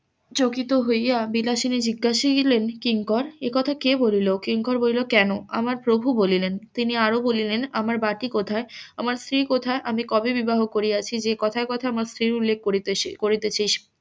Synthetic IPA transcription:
t͡ɕokit̪oɦojjabilaʃined͡ʑiɡːaʃilenkiŋkɔɾekɔt̪ʰakebolilokiŋkɔɾbolilokɛnoa̰maɾpɾobʱubolilent̪iniaɾobolilenamaɾbaʈikot̪ʰaeamaɾst̪ɾikot̪ʰaeʔamikɔbibibaɦokoɾiat͡ɕʰid͡ʑekɔt̪ʰaekɔt̪ʰaamaɾst̪ɾiɾulːek̚ʰːokoɾit̪et͡ɕʰeʃ

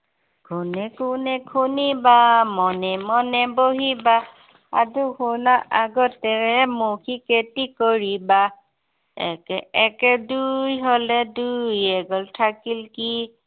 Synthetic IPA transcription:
kʰunɛkunɛkʰunibamɔnɛmɔnɛboɦiba | a̰duxunaʔaɡɔtɛɛmokʰiketikoɹiba | ɛ̰kɛɛkɛdujɦolɛdujɛɡɔltʰakilki

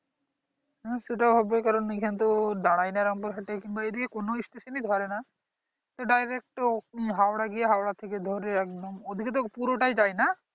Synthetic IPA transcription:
ɦɛ̃seʈabʱɔbokaɾɔnekʰant̪od̪aɽ̃ajnaɾɔmpɔɾɦaʈekinbaed̪iekonoisʈesined̪ʱɔɾena | t̪ɔɖajɾek̚ʈɦawɽaɡijeɦawɽat̪ʰeked̪ʱɔɾeɛk̚d̪ɔmod̪ʱiket̪̬opuɾoʈajd͡ʒajna

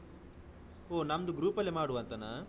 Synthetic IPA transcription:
oːnɐmd̪uɡɾuːpɐlːimaːɽuʋɐnt̪ɐna

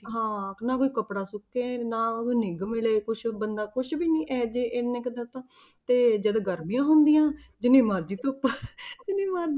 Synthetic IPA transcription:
ɦãːnãːkoːiːkəpɽaːsʊkːeːnãːkoiːnɪɡmɪleːkʊt͡ʃʰbənd̪aːkʊt͡ʃʰbiːnĩːʔɛːd͡ʒeːʔɪnẽːkd̪ət̪ãː | t̪eːd͡ʒəd̪ɡəɾmɪjãːɦʊnd̪ijãː | d͡ʒɪnːẽːmaːɾd͡ʒiːt̪ʊpːd͡ʒɪnẽːmaːɾd͡ʒ

